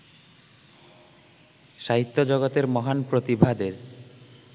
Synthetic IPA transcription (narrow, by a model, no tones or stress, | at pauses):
ʃaɦit̪ːod͡ʑɔɡot̪eɾmɔɦanpɾot̪ibʱad̪eɾ